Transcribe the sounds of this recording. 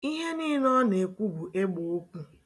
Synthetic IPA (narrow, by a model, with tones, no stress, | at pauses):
i˦ɦe˦niː˦nɔ˦ne˨kʷu˦bu˨ʔe˦ɡ͡bo˨o˦kʷu˦